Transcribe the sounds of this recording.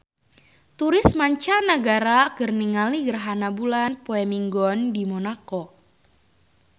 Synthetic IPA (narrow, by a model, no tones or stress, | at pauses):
t̪uɾɪsmaɲt͡ʃanəɡaɾakɨrniŋaliɡərɦanabulanpoɛmiŋɡɔndimonakɔ